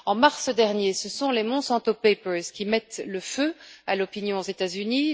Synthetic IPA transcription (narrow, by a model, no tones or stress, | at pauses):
ɑ̃maʁsəd̪ɛʁnjesəsɔ̃lemɔ̃sɑ̃t̪opepəlzkʲimɛt̪ləføalɔpinjɔ̃ozet̪azyni